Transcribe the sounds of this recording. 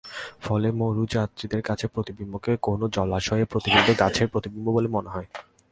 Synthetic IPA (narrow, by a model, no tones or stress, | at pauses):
fɔlemoɾud͡ʑat̪̚t͡ɕid̪eɾkat͡ɕʰepɾot̪ibimːokekonod͡ʑɔlaʃɔepɾot̪ibod̪ʱoɡat͡ɕʰeɾpɾot̪ibimbobolemoneɦɔe